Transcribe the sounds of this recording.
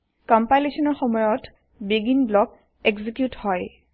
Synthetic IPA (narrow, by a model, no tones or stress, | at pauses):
kɔmpajlesɔnɔɹxɔmɔjɔt | biɡinblɔk | eɡzikjuthɔj